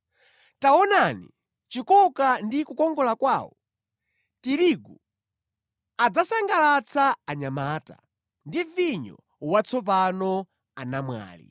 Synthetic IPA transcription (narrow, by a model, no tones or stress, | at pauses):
tawɔnanḭ | t͡ʃikɔkandikukɔŋɡɔlakwaːwɔ | tiɾiɡu | ad͡zasaŋɡalat͡sʰaːɲamaːta̰ | ndiviɲɔ̰ | wat͡sʰɔp̬anɔ | anamwa̰ːlḭ